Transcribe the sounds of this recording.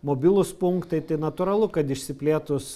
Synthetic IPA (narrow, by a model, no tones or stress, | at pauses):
moːbʲɪlˠʊspʊŋkt̪ɐɪt̪ɐɪnɐt̪ʊːɾɐlˠʊkɐt̪ɪʃʲsʲɪpʲlʲeːt̪ʊs